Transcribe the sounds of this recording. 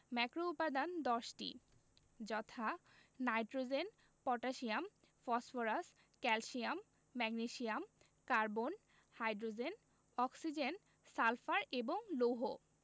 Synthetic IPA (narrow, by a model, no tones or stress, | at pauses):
mɛkɾoupad̪and̪ɔʃʈḭ | d͡ʑɔt̪ʰanajʈɾod͡ʑen | pɔʈaʃiam | fɔsfoɾas | kɛlʃiamː | ɛɡniʃijam | kaɾbon | hajɖɾod͡ʑen | ɔksid͡ʑen | salfaɾeboŋloɦo